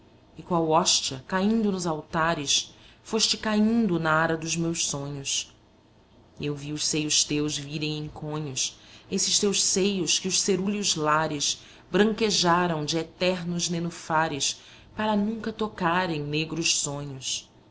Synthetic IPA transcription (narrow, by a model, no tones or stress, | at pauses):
ɪkõɐwɔʃt͡ʃɐkaĩnd̪ʊnʊzawt̪aɾɪsfoʃt͡ʃɪkaĩnd̪ʊnɐaɾɐd̪ʊzmewʃsõɲʊs | ewviʊʃsejʊʃt̪ewzviɾẽj̃ẽj̃kʰõɲʊsesɪʃt̪ewʃsejʊskɪʊʃseɾuʎʊzlaɾɪʃ | bɾɐ̃ŋkeʒaɾɐ̃w̃d͡ʒɪet̪ɛɾnʊznenufaɾɪs | paɾɐnũkɐt̪okaɾẽj̃neɡɾʊʃsõɲʊs